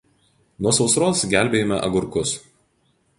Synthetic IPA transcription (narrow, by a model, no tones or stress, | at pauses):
nuɔsɒʊsɾoːsɡʲæˑlʲbʲeːjomʲɛ̰ʔɐ̰ɡʊɾkʊs